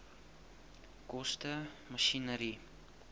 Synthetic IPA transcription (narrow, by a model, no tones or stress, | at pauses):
kɔstə | məʃinəɾi